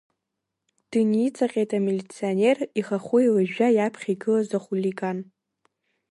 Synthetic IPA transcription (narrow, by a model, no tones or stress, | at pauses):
d̥ɨnit͡sʼaqʲʼejtʰʼamilʲit͡sʰione̞riχaχʷʊilɨʒᶣajapʰχʲiɡɨlazaχʷulʲiɡan